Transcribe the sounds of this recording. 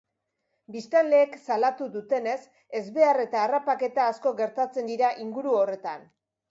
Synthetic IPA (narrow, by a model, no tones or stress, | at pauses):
bist̪alle̞ːksalat̪uðut̪e̞ne̞s | e̞zβe̞are̞t̪aːrapake̞t̪aːsko̞ɡe̞ɾt̪at͡se̞nd̪iɾaʔiŋɡuɾuo̞re̞t̪an